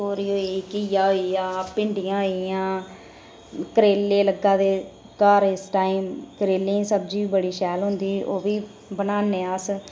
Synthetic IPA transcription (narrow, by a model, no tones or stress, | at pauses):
oːɾiːɦoːiːkɪjaːɦoːijãːpɪɳɖɪjãːɦoijãː | kəɾeːlːeːləɡːaːd̪eː | kaːɾɪsʈaːiːmkəɾeːlẽːsəbd͡ʒiːbəɽiːʃɛːlɦʊ̃nd̪iːoːʋiː | bənaːneːas